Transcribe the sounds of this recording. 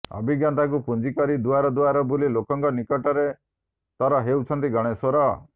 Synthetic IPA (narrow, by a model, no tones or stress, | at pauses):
ɔ̰bʱiɡjant̪akupund͡ʒikɔɾid̪uaɾɔd̪uaɾɔbulilokɔŋkɔnikɔʈɔɾe | t̪aɾɔɦewt͡ʃʰɔnt̪iɡɔɽ̃esɔɾɔ